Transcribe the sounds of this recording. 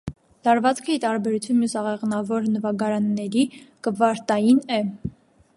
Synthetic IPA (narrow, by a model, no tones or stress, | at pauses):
lɑɾvɑt͡skʰəit̪ɑɾbɛɾut͡sʰjunmjusɑʁɛʁnɑvɔɾnəvɑɡɑɾɑnːɛɾikəvɑɾt̪ɑjinɛ